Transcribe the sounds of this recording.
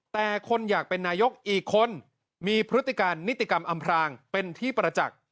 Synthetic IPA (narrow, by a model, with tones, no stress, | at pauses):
t̪ɛː˨˩kʰo˧njaː˨˩k̚pe˧nːaː˧jo˦˥k̚ʔiː˨˩kʰːo˧n | miː˧pʰɾɯ˦˥t̪ːi˨˩kaː˧nːi˦˥t̪ːi˨˩ka˧mʔa˧mpʰɾaː˧ŋpe˧nt̪ʰiː˥˩pɾa˧t͡ɕa̰˨˩k̚